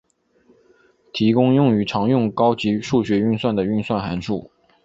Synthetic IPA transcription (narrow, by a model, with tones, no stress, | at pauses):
t̪ʰi˧˥kʊ˥ŋjʊ˥˩ŋy˧˥ʈ͡ʂʰɑ˧˥ŋjʊ˥˩ŋkɑ˥ʊt͡ɕi˧˥ʂu˥˩ɕɥɛ˧˥y˥˧nswa˥˩nd̪ə˩y˥˧nswa˥˩nxa˧˥nʈ͡ʂʰṵ˥˩